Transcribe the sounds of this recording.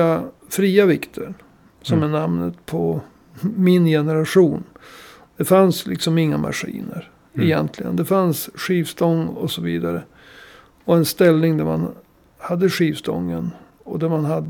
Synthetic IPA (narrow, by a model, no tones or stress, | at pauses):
a | fɾiːavɪkt̪ʰəɳ | sɔmɛɳamnət̪pʰɔ | mɪnjɛnəɾaʂuːn | d̪̥ɛfanslʔɪ̰ksɔmɪŋːama̰ɧḭːnəɾ | ɛjɛnt̪ʰlɪɡə̰nd̪ɛfansʂiːvsd̪ɔŋːɔsɔviːd̪aɾə | ɔɛnst̪ɛlnɪŋd̪æɾma̰n | had̪ːəɧiːvsd̪ɔ̰ŋːən | ɔd̪æɾmanɦad̪ː